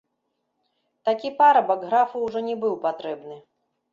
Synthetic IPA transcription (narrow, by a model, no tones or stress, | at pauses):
t̪akʲipaɾɐbɐɡɣɾafɨwʐɔnʲɛbɨwpat̪ɾɛbnɨ